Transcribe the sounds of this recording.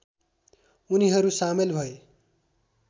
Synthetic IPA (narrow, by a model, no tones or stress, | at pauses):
uniɦʌɾusamelbʱʌe